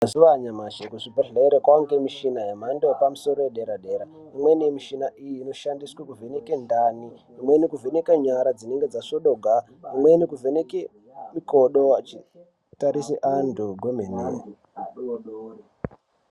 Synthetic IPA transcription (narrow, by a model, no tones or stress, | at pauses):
aziʋaɲamaʃekuʐibʱaɬeeɾekwaŋɡemiʃinajamandopamuso̞ɾojeɗeɾaɗe̞ɾa | imwenimiʃinaʔijiːno̞ʃandiswakuvenekendaːniː | mwenikuvʱenekaɲaɾad͡zine̞ŋɡed͡zaʂoɗoɡʱa | imwenikuvʱeneke | mikoɗoat͡ʃi | taɾisiʔanduɡwemenḛːo